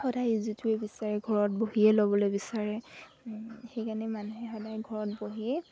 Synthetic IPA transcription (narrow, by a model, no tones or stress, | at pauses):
xɔdajizituɛbisaɹɛɡʱɔɹɔt̚boɦiɛlobɔlojbisaɹɛ | xejkanɛmanuɦɛxɔdajɡʱɔɹɔt̚boɦiɛ